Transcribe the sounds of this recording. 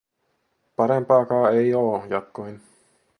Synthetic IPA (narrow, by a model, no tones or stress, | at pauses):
pɑɾempɑːkɑːejoːjɑt̪̚koin